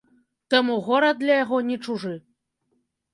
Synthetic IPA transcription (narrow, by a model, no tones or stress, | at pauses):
t̪ɐmuɣɔɾɐd̪lʲɐjaɣɔnʲɛt͡ʂuʐɨ